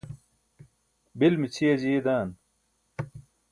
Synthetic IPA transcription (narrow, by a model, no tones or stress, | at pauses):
bilmit͡ɕʰijɐd͡ʑied̪aːn